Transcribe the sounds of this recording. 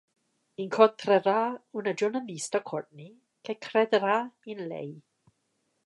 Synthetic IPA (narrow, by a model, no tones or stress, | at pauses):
inkʰɔtʰrɛɾaunəd͡ʒɔnəlistakʰɔɹtni | kʰakʰrɛdɾainlḛj